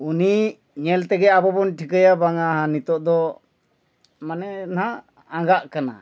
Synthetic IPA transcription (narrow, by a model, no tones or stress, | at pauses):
uni | ɲɛlt̪ɛɡɛabɔbɔnʈʰikəjabaŋaɦãnit̪ɔʔd̪ɔ | manɛna | ãŋɡaʔkana̰